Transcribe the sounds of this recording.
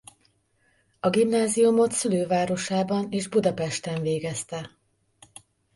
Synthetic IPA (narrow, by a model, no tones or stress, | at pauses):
ɒɡimnaːzijumo̞t̪syløːvaːɾo̞ʃaːbɒneːʒbud̪ɒpɛʃt̪ɛɱveːɡɛst̪ɛ